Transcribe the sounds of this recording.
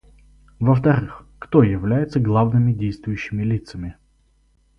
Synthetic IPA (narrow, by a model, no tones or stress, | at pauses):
vəft̪ɐɾɨxkt̪ojɪvlʲæjɪt̪səɡlˠavnɨmʲɪdʲejst̪vʊjʉɕːɪmʲɪlʲit̪səmʲɪ